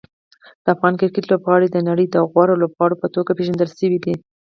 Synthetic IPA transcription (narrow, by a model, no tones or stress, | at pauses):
d̪̥əafɣɑnkɪɾkɪt̪lobɣɑɽed̪ənaɽəjd̪əaɣwɑɾolobɣɑɽopət̪oɡapeʒand̪əlʃəwid̪i